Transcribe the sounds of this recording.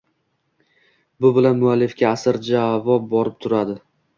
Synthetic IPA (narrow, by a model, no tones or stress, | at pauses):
bʊbɪlanmʊalːɪfkʲaːsɪɾd͡ʒavɒp̚bɒɾɪp̚t̪ʰʊɾad̪ɪ